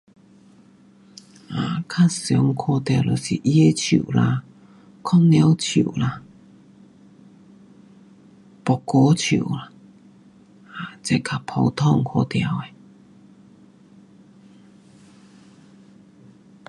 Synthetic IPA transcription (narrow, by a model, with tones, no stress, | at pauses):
a˨˩kʰa˥˨sjɔ˨˦ŋkʰɔ˧t̪ja˧˩lo˨˩sḭ˨˩ʔi˦˥e˧˦t͡ɕʰṵ˨˩la˧ | kʰɔ˥nnja˦wt͡ɕʰṵ˨˩˨la˧ | pɔ˨˩ko˧˦t͡ɕʰṵ˨˩la˧ | a˨˩t͡se˧˦kʰa˨˩pʰɔ˧wt̪ʰɔ˥˧˨ŋkʰɔ˧t̪ja˧˩we˨